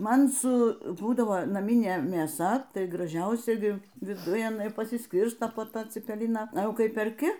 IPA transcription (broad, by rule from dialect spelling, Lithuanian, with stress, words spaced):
ˈmɐn sʊ ˈbuːdɐʋoː nɐˈmʲiːnʲeː mʲeːˈsɐ ˈtɐɪ ɡrɐˈʒʲɛʊsʲɛ ˈɡʲɪ ʋʲɪˈdʊj ɐˈnɐɪ pɐsʲɪsʲˈkʲɪrstoː poː ˈtɑː t͡sʲɪpʲɛˈlʲɪnɑː ɐˈjɛʊ ˈkɐɪ pʲɛrʲˈkʲɪ